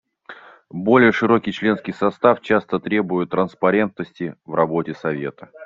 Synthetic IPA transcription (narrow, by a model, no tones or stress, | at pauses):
bo̞lʲɪjəʂɨɾo̞kʲɪjt͡ɕlʲe̞nskʲɪjsɐst̪aft͡ɕast̪ət̪ɾʲe̞bʊjʊt̪ːɾənspɐɾʲe̞nt̪̚nəsʲtʲɪvrɐbo̞tʲɪsɐvʲe̞̰t̪ə̥